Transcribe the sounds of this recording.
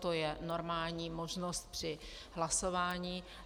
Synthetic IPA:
t̪ojɛno̞ɾmaːlɲiːmoʒnost̪̚pr̥ɪ | ɦlasovaːɲiː

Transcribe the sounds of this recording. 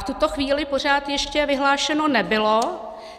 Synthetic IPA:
ft̪ut̪o̞xviːlɪpo̞r̝aːt̪jɛʃcɛvɪɦlaːʃɛno̞nɛbɪlo

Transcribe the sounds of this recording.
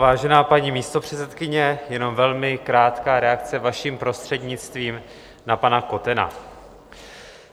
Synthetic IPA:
vaːʒɛnaːpaɲiːmiːst̪o̞pr̝̥ɛt͡sɛt̪kɪɲɛjɛno̞mvɛlmɪkɾaːt̪kaːɾɛak̚t͡sɛvaʃiːmpɾo̞st̪r̥ɛdɲɪt͡st̪viːm | napanako̞t̪ɛna̰

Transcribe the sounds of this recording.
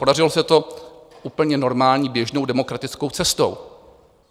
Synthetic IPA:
podarɪlosɛt̪o̞ʔuːpl̩ɲɛno̞ɾmaːlɲiːbjɛʒnowdɛmo̞kɾat̪ɪt͡sko̞wt͡sɛst̪o̰w

